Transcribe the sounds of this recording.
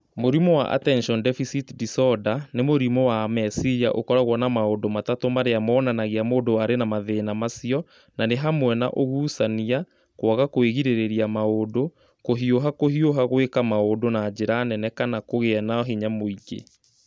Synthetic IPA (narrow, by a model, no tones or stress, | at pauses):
moɾimɔwa̰ʔa̰tɛnʃɔndɛfisitdisɔdanemoɾimɔwamɛsiɾia̰ʔo̰kɔɾaɣwɔnamaodomatatomaɾeamɔːnanaɣeamoːdoaɾenamaðeːnamasiɔ | naneɦamwɛna̰ʔoɣuːsania | kwɔɣakoeɣiɾeɾeɾiamaodo | koɦioɦakohioɦaɣwekamaodonaːd͡ʑeɾanɛnɛkanakoɣeɛnaɔɦeɲamoiɡḛ